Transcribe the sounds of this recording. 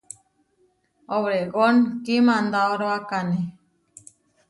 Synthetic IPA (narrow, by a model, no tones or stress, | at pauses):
oβɾeɡonkimãnd̪aoɾoakane